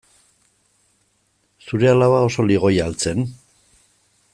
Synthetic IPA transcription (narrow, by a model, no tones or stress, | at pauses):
suɾe̞alaβao̞so̞liɣ̞o̞jalt͡se̞n